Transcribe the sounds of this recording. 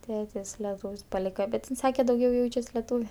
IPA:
ˈtʲeːtʲɪs lʲɛˈtuːwsʲ pɐˈlʲiːkɐ bʲɛt ɪn ˈsɑːkʲɛ dɐʊˈɡʲɛʊ ˈjɛʊt͡ʃʲɛs lʲɛˈtuːʋʲɛ

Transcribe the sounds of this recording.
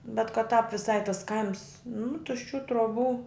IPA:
bʲɛt kɐt tɑːp ʋʲɪˈsɐɪ tɐs ˈkɐɪms nʊ tʊʃʲˈt͡ʃʲuː truɔˈbuː

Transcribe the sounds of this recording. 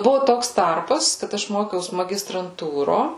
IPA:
ˈbʊʋoː ˈtoːks ˈtɐrpɐs kɐt ˈɐʃ ˈmoːkʲɛʊs mɐɡʲɪstrɐnˈtuːroː

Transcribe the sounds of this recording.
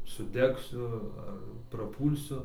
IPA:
sʊˈdʲæːksʲʊ ɐr prɐˈpuːlʲsʲʊ

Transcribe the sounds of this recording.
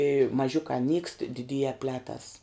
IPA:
ɪ mɐˈʒʲʊkɑː nʲiːkst dʲɪˈdʲiːjɛ ˈpʲlʲæːtɐs

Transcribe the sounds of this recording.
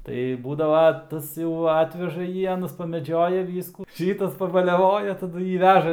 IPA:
ˈtɐɪ ˈbuːdɐʋɐ ˈtɐs jɛʊ ˈɑːtʲʋʲɛʒɐ ˈjiː ˈɑːnɐs pɐmʲɛˈd͡ʒʲoːjɛ ˈʋʲiːskuː ˈʃʲiːtɐs pɐbɐlʲɛˈʋoːjɛ tɐˈdʊ ˈjiː ˈʋʲæːʒɐ

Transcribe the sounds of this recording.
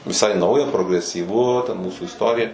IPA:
ʋʲɪˈsɐɪ ˈnɐʊjɛ proːɡrʲɛsʲiːˈʋʊ tʲɛn ˈmuːsuː ɪsˈtoːrʲɪjɛ

